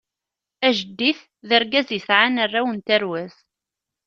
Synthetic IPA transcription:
æʒəd̪ːiθ | ðəɾɡæzisʕanərːæwənt̪æɾwæz

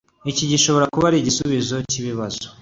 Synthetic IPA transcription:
iciɟiʃo̞βo̞ɾakuβaɾiɟisuβizo̞ciβiβaz̥o

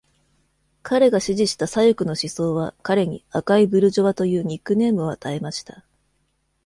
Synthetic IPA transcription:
kʰaɾe̞ɡaɕiʑiɕi̥t̪asajokɯ̟no̞ɕiso̞ːβakaɾe̞ɲ̟ḭakaibɯ̟ɾɯ̟ʑo̞βat̪o̞jɯ̟ːɲ̟ikːɯ̟ne̞ːmɯ̟oat̪ae̞maɕi̥t̪ḁ

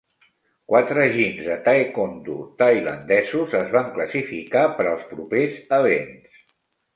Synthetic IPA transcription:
kwat̪ɾəəʒinzət̪aekont̪ṵt̪əjlə̰nd̪ɛzuzəzβaŋkləsifḭkapəɾəlˠspɾupezəβens

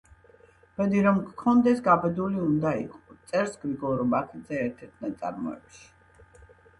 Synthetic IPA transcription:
b̥ɛd̪iɾɔmkkʰɔnd̪ɛsɡabɛd̪uliund̪aḭkʼɔt̪sʼɛɾsɡɾiɡɔɾɔbakʰid̪zɛɛɾt̪ʰɛɾt̪ʰnat̪sʼa̰ɾmɔ̰ɛ̰pʃi̥

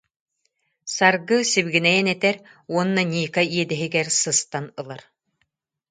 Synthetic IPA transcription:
saɾɡɯsibɡinɛjɛnɛt̪ɛɾuɔnːanʲiːkaiɛd̪ɛɦiɡɛɾsɯst̪anɯlˠaɾ

